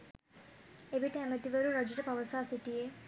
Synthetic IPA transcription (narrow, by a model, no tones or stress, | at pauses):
eʋiʈːeɐmɐt̪ːiʋɐɾurɐd͡ʑiɾɐpɐʋɐsaːsiʈːije